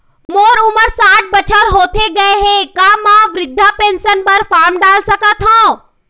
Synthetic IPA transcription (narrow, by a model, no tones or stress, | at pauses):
moːɾʊməɾsãːʈ̚bət͡ʃʰaɾɦoːt̪ʰeɡɐeɦẽkãːmãʋɾɪd̪ʱːapeːnsənpəɾfaːɾmɖaːlsəkat̪ʰɦõː